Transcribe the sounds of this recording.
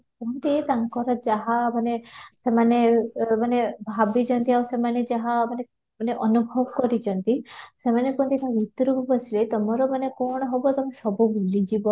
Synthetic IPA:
kɔɦnt̪it̪aŋkɔɾɔd͡ʒaɦamanesemanemanebʱabit͡ʃɔnt̪iawsemaned͡ʒaɦamane | maneʔɔnubʱɔbɔkɔɾid͡ʒɔnt̪isemanekont̪it̪abit̪ɾububɔsilet̪ɔmɔɾɔmanekɔɽ̃ɔɦɔbɔt̪ɔmesɔbubulid͡ʒibɔ

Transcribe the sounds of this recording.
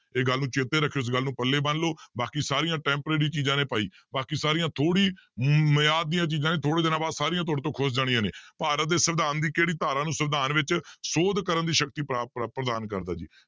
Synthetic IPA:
eːɡəlːnũːt͡ʃeːt̪eːɾəkʰːeːɪs̬ɡəlːnũːpəlːeːbənloːbaːkiːsaːɾijãːʈɛ̃ːmpɾeːɽiːt͡ʃiːd͡ʒãːnẽːpaːiː | baːkiːsaːɾijãːt̪ʰoːɽiːməjaːd̪ːijãːt͡ʃiːzãːneːt̪ʰoːɽeːd̪ɪnãːbaːd̪saːɾɪjãːt̪̬ʰoːɾt̪̬õːkʰʊsd͡ʒaːɽ̃ɪjãːnḛːpaːɾət̪̚d̪eːsəʋd̪aːnd̪iːkeːɽiːt̪aːɾãːnũːsəʋd̪aːnʋɪt͡ʃsoːd̪kəɾənd̪iːʃəkt̪iːpːpɾəd̪aːnkəɾd̪aːd͡ʒḭː

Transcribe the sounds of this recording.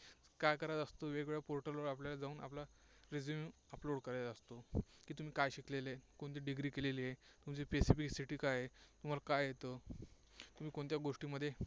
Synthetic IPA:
kajkəɾajt̪ast̪oʋeɡʋeɭjapoɾʈəloɽapljalad͡zauːnʔa̰pla | ɾed͡zumuəploɽkəɾat̪əst̪okiːt̪um̤iːkajɕiklelekoɳt̪iːɖiɡɾiːkeleliːɦet̪umt͡ɕipesifiksiʈiːkajet̪um̤alakajɦet̪ə | t̪um̤iːkoɳt̪jaɡoʂʈiːməd̪ʱːje

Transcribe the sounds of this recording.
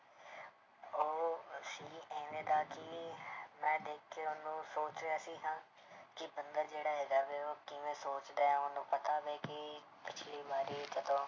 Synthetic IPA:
oːʃiːɛ̃ːnẽːd̪aːkɪ | mɛ̃ːd̪eːkʰːeːʊnũːsoːt͡ʃɾejaːsĩːɦãː | kɪbənd̪aːd͡ʒeːɽaːɦɛːɡaːʋeːoːkɪʋẽːsoːt͡ʃd̪aːɛːonũːpət̪aːbeːkɪ | pɪt͡ʃʰliːbaːɾiːt̪ət̪ʰõː

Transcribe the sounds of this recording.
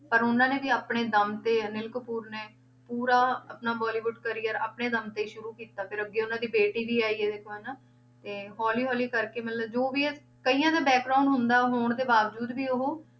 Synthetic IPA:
pəɾʊnãːneːʋiːaːpɳeːd̪əmt̪eːnɪlkəpuːɾneː | puːɾaːapnaːbɔːliːʋʊɖkəɾiːəɾa̰ːpɳeːd̪əmt̪eːʃʊɾuːkiːt̪aːpʰɪɾəɡːeːʊnãːd̪iːbeːʈiːʋiːaːiːeːd̪eːkʰoːɛnaː | t̪eːɦɔːliːɦɔːliːkəɾkeːmɪlaːd͡ʒoːʋiːɛ | kəiːjãːd̪aːbɛːkɾaːʊɳɖɦʊnd̪aːɦoːɳd̪eːbaːʋd͡ʒuːd̪ʋiːʊɦoː

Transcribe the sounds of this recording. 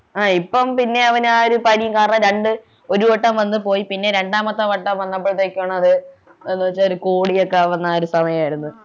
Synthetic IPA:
aːipːɐmpinːe̞ɐʋɐnaːoɾupɐɾijɐŋkaːrɐɳɐɾe̞ɳɖɨ | o̞ɾuʋɐʈːɐmʋɐnːɨp̬o̞ːjipinːe̞ɾe̞ɳɖaːmɐt̪ːɐʋɐʈːɐmʋɐnːɐp̬ːoɭt̪ːeːkʲːuaːɳɐɐðɨ | enːuʋɐt͡ɕːaoɾukoːɽijokːeʋɐnːaoɾusɐmɐjɐmaːjiɾunːu

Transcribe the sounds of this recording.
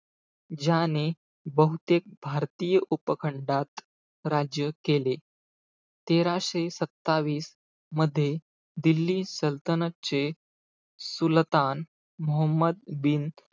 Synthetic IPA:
d͡ʑane | bəɦut̪ek̚bʱaɾt̪ijəʔupəkʰəɳɖat̪ | ɾad͡ʑjəkele | t̪eɾaɕesət̪ːaʋiːs | məd̪ʱːje | d̪ilːiːsəlt̪ənət͡ɕe | sult̪an | mɔɦəmːəd̪bin

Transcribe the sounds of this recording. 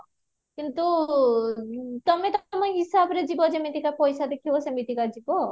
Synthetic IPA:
kint̪u | t̪ɔmet̪məɦisabɾed͡ʒibod͡ʒemit̪ikapɔjsad̪ekʰibosemit̪ikad͡ʒibo

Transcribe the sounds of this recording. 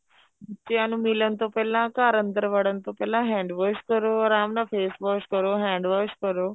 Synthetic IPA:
t͡ɕeanũmilənt̪opɛlãkaːɾə̃nt̪əɾʋəɽənt̪opɛlãɦɛ̃ɳɖʋəskəɾoɾaːmnãfeːsbəskəɾoɦɛ̃ɳɖʋəskəɾo

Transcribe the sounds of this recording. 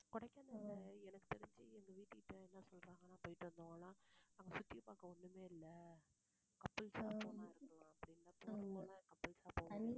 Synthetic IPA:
kʊɽɐkːanɐnɐɛnɐkːɯ̥t̪ɛɾɪɲd͡ʒɯɛnɡ̪ɐʋiːʈːɯkɪʈːɐɛnːɐsɔlɾaːŋɡɐnãːpoːjɪʈːɯʋɐnd̪oŋɡɐnaːnaːŋɡɐsʊt̪ːɪjɐpaːkɐɔnːɯmeːɪlːɐ | kɐpːɪlsaːoːmaːɪɾɯkːɐɭõɐpːɐɽinːãːpoːɾɐŋɡɐnaːkɐpːɪlsaːpːoː

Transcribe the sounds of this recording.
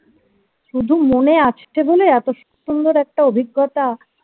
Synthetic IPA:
ʃud̪ʱumoneat͡ʃʰʈ̪ʰeboleɛt̪oʃɔ̥kt̪ond̪oɾɛk̚ʈaobʱiɡːot̪a

